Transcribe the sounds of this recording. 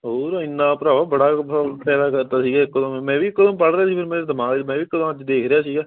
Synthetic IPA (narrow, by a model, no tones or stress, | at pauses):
ɦoːɾɪnːãːpɾaːʋaːbəɽaːpɛːd̪aːkəɾt̪aːsiːɡaːkːəd̪õmmɛ̃ːʋiːkəd̪õmpəɽdaːsiːpʰɪɾmɛ̃ːd̪əmaːɡmɛ̃ːʋiːkəd̪õməd͡ʒd̪eːkʰɾɪjaːsiːɡaː